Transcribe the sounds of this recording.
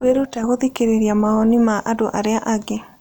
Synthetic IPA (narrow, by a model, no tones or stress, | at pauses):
weɾotaɣoðikeɾeɾiamaɔnimaʔadoʔaɾeaʔaɡe